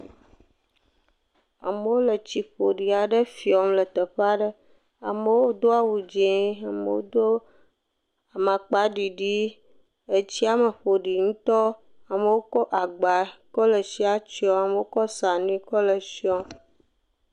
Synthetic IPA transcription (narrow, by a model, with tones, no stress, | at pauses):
a̰˨mə˦wo˦lə˨t͡ɕi˨ɸo˨ɖi˨a˨ɖə˦fi˨ɔ˨mlə˨t̪ə˨ɸa˦ɖə˦ | a˨mə˦˨wo˦d̪o˦a˦wu˨d͡ʒẽ˦a˨mə̰˨wo̰˦d̪o˦ | a˨ma˨k͡pa˨˦ɖi˨ɖi˦ | ə˦t͡ɕi˦a˨mə˨ɸo˨ɖi˨ŋũ˦t̪ɔ˦ | a˨mə˨wo˦kɔ˦ʔa˨ɡ͡ba˨kɔ˦lə˨si˦a˦t͡ɕi˦ɔ˦a˨me˨˦wo˦kɔ˦sa˨nĩ˦kɔ˦lə˨si˦ɔ˦m